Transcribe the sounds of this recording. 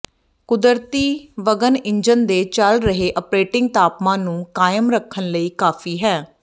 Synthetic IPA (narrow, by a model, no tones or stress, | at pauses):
kʊd̪əɾt̪iːʋəɡənɪɲd͡ʒənd̪eːt͡ʃəlɾəɦeːʔəpɾeːʈɪ̃ŋɡ̚t̪aːpmãːnũːkaːjəmɾəkʰːənləiːkaːfʰiːɦɛː